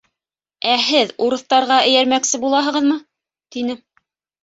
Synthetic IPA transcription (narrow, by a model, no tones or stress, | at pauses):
æɦɘðuɾɤ̆θt̪ɑɾʁɑɘ̆jæɾmæksɘbulˠɑɦɤ̆ʁɤðmɤ | t̪inɘ